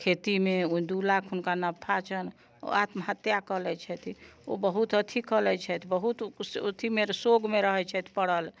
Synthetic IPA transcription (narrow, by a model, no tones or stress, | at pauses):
kʰet̪imeud̪ulakʰɦunkanabpʰat͡ʃʰən̰ | at̪məɦət̪jakəlɛt͡ʃʰɛt̪ʰio̰bəɦut̪ət̪ʰikəlɛt͡ʃʰɛt̪ʰbəɦut̪o̰t̪ʰimeɾsoɡmeɾəɦɛt͡ʃʰɛt̪ʰpəɽəl